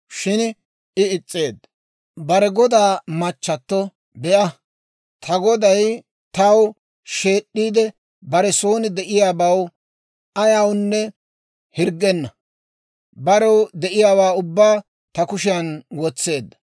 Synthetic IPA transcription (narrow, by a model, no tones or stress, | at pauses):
ʃɪn | ɪɪt͡sʼːe̞ːd̪ | bɐɾɛɡɔd̪aːmɐt͡ʃːɐt̪ːɔ | bɛʔɐ | t̪ʰɐɡɔd̪ɐj | t̪ɐw | ʃe̞ːɗːiːd̪ɛ | bɐɾɛso̞ːnɪd̪ɛʔɪjaːbɐw | ɐjawnːɛ | hɪɾɡɛnːɐ | bɐɾɛwd̪ɛʔɪjaːwaːʊbːaː | t̪ɐkʊʃɪjɐnwɔt͡sːe̞ːd̪ːɐ